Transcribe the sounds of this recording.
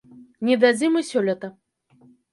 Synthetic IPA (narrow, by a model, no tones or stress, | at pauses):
nʲid̪ad͡zʲimɨsʲɔlʲɐt̪ɐ